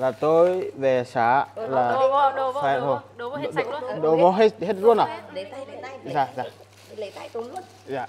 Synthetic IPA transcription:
laː˨˩t̪o˧jve˨˩saː˨˦laː˨˩˧fa˨˩zo˧˩˨ | ɗo˨vɔ˨˧˦ɦe˦ɦe˦t̚zu˦ənaː˨˩w | zaː˨˩zaː˨˩ | zaː˨

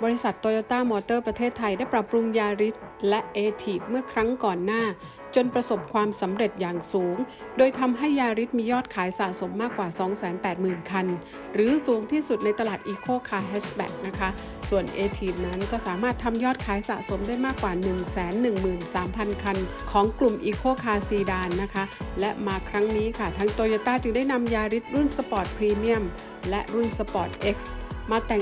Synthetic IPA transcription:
bɔː˧ɾi˦˥sa˨˩t̪ːɔː˧jɔː˧˩t̪aː˥˩mɔː˧t̪ɤː˥˩pɾa˧t̪ʰeː˥˩t̪ʰːa˧jdaː˥˩jpɾa˨˩pːɾu˧ŋjaː˧ɾi˦˥t̪̚lɛ˦˥ʔeː˧t̪ʰiː˨˩p̚mɯ˥˩ɐkʰɾa˦˥ŋkɔː˨˩nːaː˥˩ | t͡ɕo˧npɾa˧so˨˩p̚kʰwaː˧msa˩˦mɾe˨˩t̪̚jaː˨˩ŋsuː˩˦ŋ | doː˧jt̪ʰa˧mɦa˥˩jːaː˧ɾi˦˥t̪̚miː˧jɔː˥˩t̪̚kʰaː˩˦jsaː˨˩so˩˦mːaː˥˩kwaː˨˩sɔː˩˦ŋsɛː˩˦npɛː˨˩t̪̚mɯː˨˩nkʰa˧n | ɾɯː˩˦suː˨˩˦ŋt̪ʰiː˥˩su˨˩t̪̚na˧jt̪a˧laː˨˩t̪̚ʔiː˧kʰoː˥˩kʰaː˧˩ɦɛː˦˥ɕt̪ɛ̰˨˩k̚na˦˥kʰa˦˥ | su˨˩ənʔeː˧t̪ʰiː˨˩p̚na˦˥nkɔː˥˩saː˩˦maː˥˩t̪ʰːa˧mjɔː˥˩t̪̚kʰaː˨˩˦jsa̰ː˨˩so˩˦mdaː˥˩jmaː˥˩kːwaː˨˩nɯ˨˩ŋsɛː˩˦nːɯ˨˩ŋmɯː˨˩nsaː˩˦mpʰa˧nkʰa˧n | kʰɔː˩˦ŋklu˨˩mʔiː˧kʰoː˥˩kʰaː˧siː˨˩daː˧nːa˦˥kʰa˦˥lɛ˦˥ʔmaː˧kʰɾa˦˥ŋniː˦˥kʰa˥˩t̪ʰaː˦˥ŋt̪oː˧joː˧t̪aː˥˩t͡ɕɯ˧ŋda˥˩jna˧mjaː˧ɾi˦˥t̪̚ɾu˥˩nsa˧pɔː˨˩t̪̚pʰɾiː˧mi˥˩əm | lɛ˦˥ʔɾu˥˩nsa˧pɔː˨˩t̪̚ʔe˦˥k̚smaː˧t̪ɛ˨˩

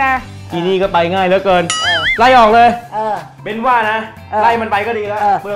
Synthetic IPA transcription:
a˧˥˩ | t̪iː˧niː˥˩kɔː˥˩pa˧jŋaː˥˩jlɯ˦˥kɤː˧nː˧˩la˥˩jʔɔː˨˩k̚lɤː˧jː | be˧nwaː˥˩na˦˥˧ | la˥˩jma˧npa˧jkɔ˥˩diː˧la˦˥˧bɯ˧

